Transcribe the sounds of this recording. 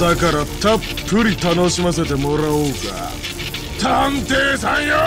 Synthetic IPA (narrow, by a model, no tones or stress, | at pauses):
akaɾat̪apʰːɯɾʲit̪anoɕimas̬e̞t̪emoɾaoːɡa̰ | t̪ant̪eːsãɲ̃jo